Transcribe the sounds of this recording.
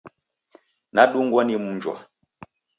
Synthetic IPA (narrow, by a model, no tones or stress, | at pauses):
naɗuŋɡwɔnim̩ɲd͡ʒwa̰